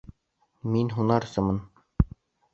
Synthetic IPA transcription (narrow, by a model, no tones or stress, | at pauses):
minɦunɑɾsɤ̆mɤn